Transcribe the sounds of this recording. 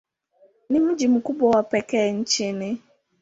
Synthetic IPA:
nɪm̩d͡ʒim̩kubɔwapekɛːn̩t͡ʃinɪ

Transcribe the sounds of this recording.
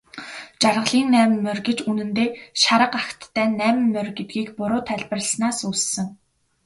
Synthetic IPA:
t͡ɕarʁə̆ɮiːnnæːmɘ̆mːœrʲɡĕt͡ɕunɘ̆nt̪eːʃaɾə̆qaxt̪ːæːnæːmɘ̆mːœrɡet̪̚ɡiːkpʊɾʊːt̪ʰæɮʲpə̆rəsnaːsuːssɘ̆ŋ

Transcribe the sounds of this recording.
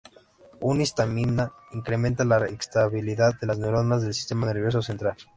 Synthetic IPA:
unist̪amina | iŋkɾe̞mẽnt̪alaekst̪aβiliðaðːe̞laznewɾonazðe̞lsi̥st̪e̞mane̞ɾβ̞jo̞s̬ose̞nt̪ɾal

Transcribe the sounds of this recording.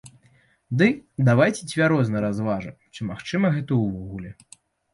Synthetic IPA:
d̪ɨd̪avajt͡sʲɛd͡zʲvʲaɾɔznɐɾazvaʐɐ | t͡ʂɨmaxt͡ʂɨmɐɣɛt̪ɐuvɔɣulʲɛ

